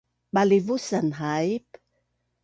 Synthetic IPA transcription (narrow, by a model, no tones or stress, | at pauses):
ɓalivusanɦaip